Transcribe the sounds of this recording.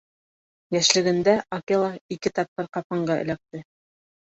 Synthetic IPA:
jæʃlɘ̆ɡɘ̆nd̪æokelˠɑikɘt̪ɑp̚qɤɾqɑpɑɴɢɑɘ̰̆læk̚t̪ɘ

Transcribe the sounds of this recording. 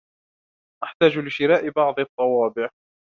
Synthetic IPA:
ʔaħt̪aːd͡ʒlɪʃɪɾaːʔɪbɑʕd̪ˤɑt̪ˤːɑwɑːbɪʕ

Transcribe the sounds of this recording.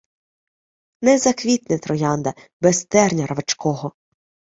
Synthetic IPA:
nɛzɐkʋʲit̪nɪt̪ɾɔjɑnd̪ɐ | bɛst̪ɛrnʲɐɾɐʋɐt͡ʃkɔɦɔ

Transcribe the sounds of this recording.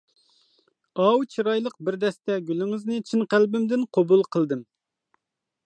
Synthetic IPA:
ɑwt͡ʃʰiɾɑjlˠəq̚bɪɾd̪ɛst̪ɛɡʲylɪŋɨznɨt͡ʃʰinqælbɪmd̪ɪnqʰobulˠqʰəlˠd̪ɨm

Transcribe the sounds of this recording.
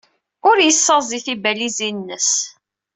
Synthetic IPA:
ʊɾjəsːəziθibælizinːəs

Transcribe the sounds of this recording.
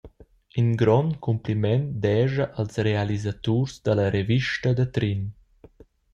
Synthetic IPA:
inɡɾɔnkumplimɛnd̪ɛʒəʔəlsrealizat̪uɾzd̪ələɾeviʃtəd̪ət̪ɾin

